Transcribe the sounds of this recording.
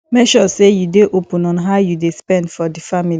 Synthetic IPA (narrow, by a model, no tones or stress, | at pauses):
mɛʃɔsejudeʔopũnɔ̃nɦajudespɛ̃ndfɔdifamili